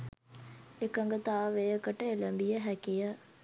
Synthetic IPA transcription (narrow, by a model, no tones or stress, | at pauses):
ekəŋɡət̪aːʋejəkəʈəeləmbijəɦækijə